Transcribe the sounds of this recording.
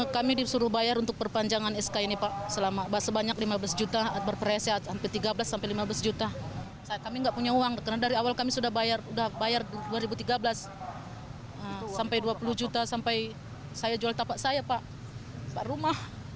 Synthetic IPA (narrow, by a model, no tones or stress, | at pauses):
kamidisuɾʊhbajaɾunt̪ʊk̚pərpaɲd͡ʒaŋanɛskainipaʔsəlamabasəbaɲak̚limablasd͡ʒut̪at̪̚bərpəɾaasiat̪hampɪrt̪iɡablasːampajlimablasd͡ʒut̪a | sakamiŋɡaʔpuɲauaŋkərnadaɾiawalkamisudahbajarudahbajarduaɾibut̪iɡablas | əsampajduapulʊhd͡ʒut̪asampaj | sajad͡ʒualt̪apaʔsajapaʔ | paʔrumah